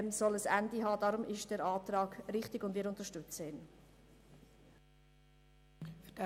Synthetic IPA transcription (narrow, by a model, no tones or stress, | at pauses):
msɔləsændiɦɑːdɑːɾʊmɪʃd̥ɛːɾɑːtɾɑːɡɾɪχtɪɡʊndʋɪːɾʊnt̪əʃtʏt͡səɪn | fd